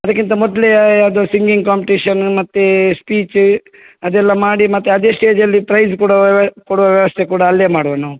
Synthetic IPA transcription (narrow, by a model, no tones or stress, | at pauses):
ɐd̪ɐkːint̪ɐmɔd̪lejaːd̪osiŋɡiŋɡkaːmpiʈiːʂɐnmɐt̪ːespiːt͡ʃ | ɐd̪ɛlːɐmaːɽimɐt̪ːeɐd̪e̞ːsʈe̞ːd͡ʒɐlːiʈɾɐjskuːɽɐkoɽuʋɐʋjɐʋɐst̪ʰekuːɽɐːlːeːmaːɽuʋɐnu